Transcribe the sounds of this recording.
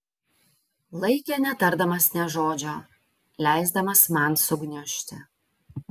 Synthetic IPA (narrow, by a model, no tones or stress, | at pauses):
lˠɐɪkʲenʲɛt̪ɐɾd̪ɐmɐsnʲɛʒoːd͡ʒʲoː | lʲæˑɪzd̪ɐmɐsmɐnsʊɡnʲʊʃʲt̪ʲɪ